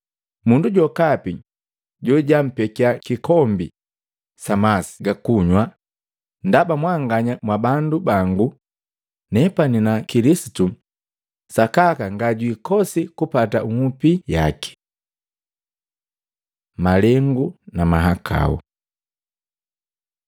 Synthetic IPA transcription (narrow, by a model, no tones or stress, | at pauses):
munduɟɔkapi | ɟɔɟam̩pɛkiakikɔmbḭ | samasi̥ɡakuɲwa | ndabamwaŋɡaɲamwabandubaŋɡu | nɛpaninakilisi̥tu | sakakaŋɡaɟwikɔsikupatauŋupija̰ki̥ | malɛŋɡunamaɦakʰa̰ṵ